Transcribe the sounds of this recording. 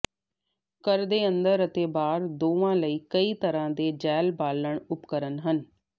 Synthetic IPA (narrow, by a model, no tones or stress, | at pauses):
kəɾd̪eːə̃nd̪əɾət̪eːbaːɾd̪oːʋãːləiːkəiːt̪əɾãːd̪eːd͡ʒɛːlbaːlːəɳʊpkəɾənɦən